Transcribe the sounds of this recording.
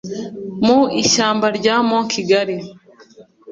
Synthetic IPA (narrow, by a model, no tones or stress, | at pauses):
muiʃaːmbaɾɟaːmokʰiɡaɾi